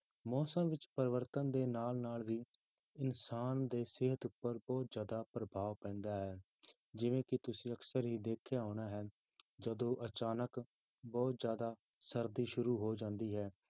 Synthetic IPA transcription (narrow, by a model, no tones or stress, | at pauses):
mɔːsə̃mʋɪt͡ʃpəɾʋəɾt̪ə̃nd̪eːnaːlnaːlʋiː | ɪnsaːnd̪eːsɪɦət̪ʊpːəɾbɔːt̪zjaːd̪aːpɾəbʱaːʋpɛ̃ːnd̪aːɦɛː | d͡ʒɪʋẽːkɪt̪ʊsĩːəksəɾɦiːd̪eːkʰːeːaːɽ̃aːɦɛː | d͡ʒəd̪õːʔət͡ʃaːnək | bɔːt̪zjaːd̪aː | səɾd̪iːʃʊɾuːɦoːd͡ʒãːnd̪iːɦɛː